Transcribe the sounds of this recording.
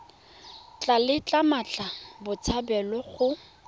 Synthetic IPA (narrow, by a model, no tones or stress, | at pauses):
t͡ɬʼalɪt͡ɬʼamat͡ɬʼabʊt͡sʰabɛlɔχʊ